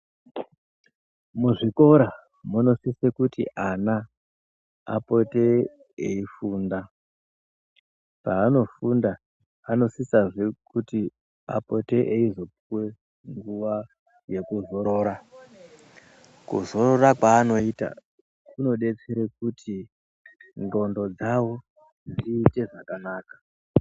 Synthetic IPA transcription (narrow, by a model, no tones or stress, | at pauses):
muʐiko̞ɾa | muno̞sisekutḭʔana | a̰po̞te | ḛifuːnda | paːno̞funda | ano̞sisaʐekuti | a̰po̞te̞ʔeizo̞puwe̞ | ŋɡuʋa | je̞kuzo̞ɾo̞ːɾa | kuzo̞ɾo̞rakwaːno̞ita̰ | kuno̞ɗe̞t͡seɾek̚utʰi | nro̞ndo̞d͡zawo̞ | nd͡ziːte̞ʐakanaːkḁ